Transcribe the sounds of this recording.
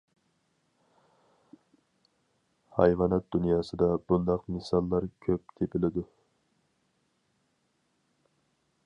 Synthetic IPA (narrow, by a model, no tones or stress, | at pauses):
hɑjvɑnɛt̪̚d̪unjɑːsɨd̪ɑbund̪ɑqmɨsɑlˠːɑɾkʲʰøp̚k̪ʲʰepʰɪlɪd̪u